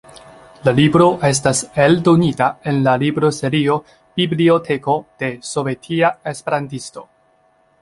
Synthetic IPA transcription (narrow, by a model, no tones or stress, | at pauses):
lalibɾo̞ʔe̞s̬tase̞ldo̞nitae̞nlalibɾo̞se̞ɾio̞ | b̥iblio̞tʰe̞ko̞d̥e̞so̞ve̞tʰiaespe̞ɾantisto̞